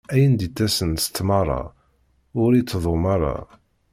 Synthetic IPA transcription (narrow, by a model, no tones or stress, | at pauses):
æjənd̪it̪ːæsənst̪ːmɑɾˤɑ̰ | ʊɾit͡sːðˤomɑɾˤɑ̰